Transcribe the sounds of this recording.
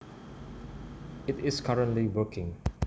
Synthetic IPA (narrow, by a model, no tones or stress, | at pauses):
ɪtɪskʰaɹə̃ntliwəkʰɪ̃ŋ